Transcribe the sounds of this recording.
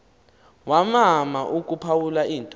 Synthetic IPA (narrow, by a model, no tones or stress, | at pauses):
wamamaʔuk̬ʼupʰawulaʔiːntʼ